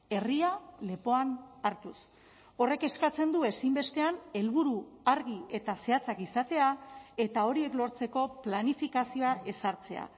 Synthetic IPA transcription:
e̞riale̞po̞anaɾt̪us | o̞re̞ke̞skat͡se̞nd̪ue̞simbe̞st̪e̞ane̞lβuɾuaɾɣie̞t̪ase̞at͡sakisat̪e̞ae̞t̪ao̞ɾie̞klo̞ɾt͡se̞ko̞planifikasio̞aʔe̞saɾt͡se̞a̰

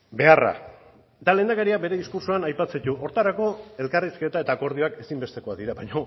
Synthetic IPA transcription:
be̞ara̰ | d̪ale̞ːnd̪akeɾiabe̞ɾe̞ðiskuɾsoanajpat͡set̪uʔo̞ɾt̪aɾako̞e̞lkariske̞t̪ae̞t̪aːko̞ɾð̞io̞ake̞simbe̞st̪e̞ko̞aðiɾaβaɲo̞

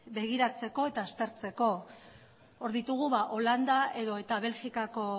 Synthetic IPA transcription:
be̞ɣ̞iɾat͡se̞ko̞e̞t̪aːst̪e̞ɾt͡se̞ko̞ | oɾðit̪uɣ̞uβaʔo̞land̪aʔe̞ðo̞e̞t̪aβ̞e̞lxikako̞

